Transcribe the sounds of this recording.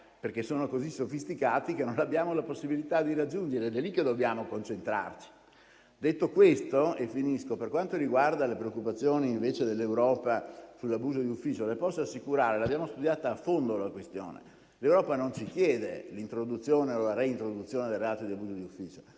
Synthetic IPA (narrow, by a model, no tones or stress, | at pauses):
perk̟esːoːnokozisofist̪ikaːt̪ikenːonabːjaːmolaposːibilit̪ad̪iɾad͡ʒːund͡ʒeɾeɛd̪elikːed̪objaːmokont͡ʃent̪ɾa̰rt͡ʃi̥ | d̪et̪ːokwest̪oefːiniskoperkwant̪oɾiɡward̪alepɾeokːupat̪sːjoːniːɱveːt͡ʃed̪elːewɾɔːpasulːabuːzod̪iufːiːt͡ʃolepɔsːoasːikuɾaːɾelabjaːmost̪ud̪jaːt̪aːfond̪olakwest̪jo̰ːnḛ | lewɾɔːpanont͡ʃik̟jɛːd̪ḛlint̪ɾod̪ut̪sːjoːneolaɾeint̪ɾod̪ut̪sːjoːned̪elreaːt̪od̪iabuːzod̪iufːiːt͡ʃo̥